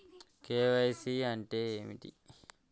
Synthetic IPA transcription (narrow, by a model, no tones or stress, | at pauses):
keːʋɐjsiɐɳʈeeːmḭʈḭ